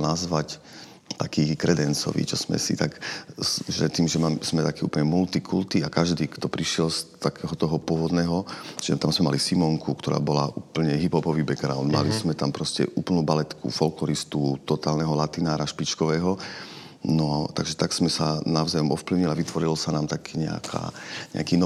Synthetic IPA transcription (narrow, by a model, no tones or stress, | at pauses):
nazʋac | t̪akiːkɾɛd̪ɛnt͡sɔ̰ʋḭt͡ʃɔz̥mɛ̰sḭt̪ak | ʒɛ̰t̪iːmʒɛmamz̥mɛt̪akiːṵːp̩ɲɛmult̪ikʰṵlt̪iakaʒd̪iːkt̪ɔpɾiʃɪɛlst̪akɛːɦɔt̪ɔɦɔpʊɔʋɔd̪nɛːɦɔʒɛt̪amzmɛma̰lisimɔŋkukt̪ɔɾa̰ːbɔlaʔuːpl̩ɲɛɦipɦɔpɔʋiːbɛɡɾa̰ʊnd̪ma̰lizmɛt̪ampɾɔscɛ̰ʔuːplnuːbalɛt̪kʰṵfɔlklɔɾist̪ut̪ɔt̪aːlnɛɦɔlat̪inaːɾaʃpit͡ʃkɔʋɛːɦɔ | nɔt̪aɡʒɛt̪aɡsmɛsanaʊzajɔmɔfpliʊɲiliaʋit̪ʋɔɾilɔsanaːmt̪akʰɛːɲɛ̰a̰kʰa̰ːɲɛ̰akiːnɔ